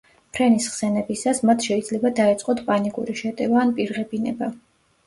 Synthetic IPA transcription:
pʰɾɛnisχsɛnɛbisasmat̪ʰʃɛid̪zlɛbad̪aɛt̪sʼqʼɔt̪ʰpʼanikʼṵɾiʃɛt̪ʼɛvaːnpʼiɾʁɛbinɛba

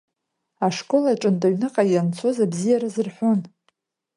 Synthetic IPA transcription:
aʂkʷʼo̞laʈ͡ʂʼɨntʼaɥnɨqʼajant͡sʰo̞zabzijaɾazɨrħʷʊn

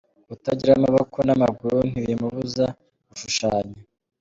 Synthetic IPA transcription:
utaɟiɾamaβakʰonamaɡuɾun̥iɾimuβuza | βuʃuʃaːɲa

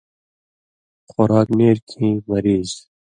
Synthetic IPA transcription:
xʊɾaːkneːɾkʰĩːmɐɾiːz

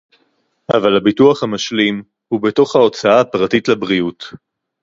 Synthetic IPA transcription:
avalhabituaχhamaʃlim | hubeto̞χhao̞t͡saaːpʁatitlabʁiut

